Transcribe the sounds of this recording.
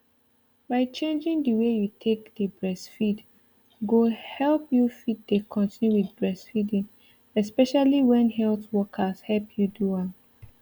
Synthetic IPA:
baɪt͡ʃẽnd͡ʒĩŋdəwejutʰekdəbɹɛsfid | ɡohɛlpjufid̚dekʰɔ̃ntĩnjuwidbɹɛsfidĩŋ | ɛspɛʃaliwɛ̃nhɛltwɔkʰashɛlpʰjuduãn

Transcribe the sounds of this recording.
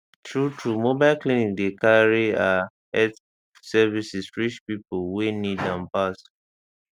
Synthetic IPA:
tʰɹutumobaɪlklinĩk̚dekaɹia | ɛt | sɛvisisfɹiʃpipowenidãmpas

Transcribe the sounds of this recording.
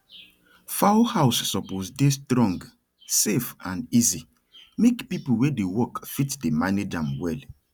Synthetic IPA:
faohawsːɔposdestɹɔ̃ŋɡ | sefãnizi | mekpipulwedewɔkfitdemaned͡ʒãmwɛl

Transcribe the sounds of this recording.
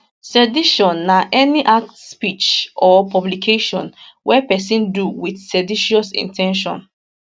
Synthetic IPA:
sɛdiʃɔ̃nːaʔɛniʔaktspit͡ʃɔpɔblikʰeʃɔ̰̃nwɛpɛsĩnduwiθsɛdiʃɔsḭ̃ntʰɛ̃nʃɔ̰̃n

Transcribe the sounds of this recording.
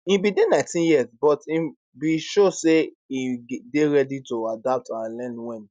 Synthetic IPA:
ĩbidenãɪ̃tĩnjiazbɔtĩ | biʃose | ideɹɛditoadap̚tãnlɛ̃nwɛ̃n

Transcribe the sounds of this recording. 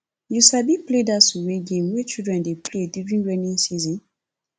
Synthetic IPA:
jusabipledasuɹeɡẽmwɛt͡ʃildɹɛ̃ndepledjuɹĩnɹɛnĩnsizɔ̃n

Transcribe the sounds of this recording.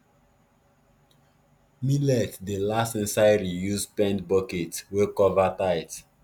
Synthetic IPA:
milɛtdəlastĩnsaɪɹijuspɛ̃ndbɔketwekɔvataɪt

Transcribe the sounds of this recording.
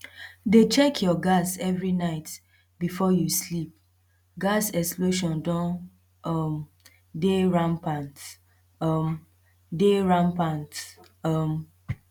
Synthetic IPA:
det͡ʃɛkʰjɔɡasɛvɹinaɪt | bifɔjuslip̚ | ɡasɛksploʃɔ̃ndɔ̃n | ɔm | deɹãmpãnt | ɔm | deɹãnpãnt | ɔm

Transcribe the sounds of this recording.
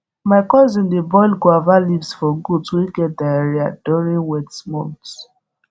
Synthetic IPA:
maɪkɔzĩndebɔjlɡoavalivsfɔɡudswiɡɛt̚daeɹiaduɹĩŋwɛtmɔ̰̃nts

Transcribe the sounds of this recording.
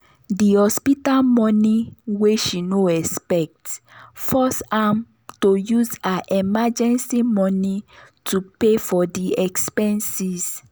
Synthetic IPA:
dihɔspitalmɔ̃niweʃinoɛspɛk̚tfɔsam | tojuzaʔɛmad͡ʒɛ̃nsimɔ̃nitʰupefɔdiɛkspɛ̃nsis

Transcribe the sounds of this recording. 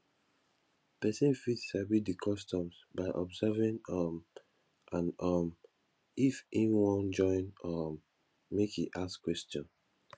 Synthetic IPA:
pɛsĩnfitsabit̚dikʰɔstɔ̃msbaɪʔɔbsɛvĩŋɔm | ʔãnɔm | ifĩnwɔ̃nd͡ʒɔ̃ɪ̃nɔ | mekiʔaskwɛstɔ̃n

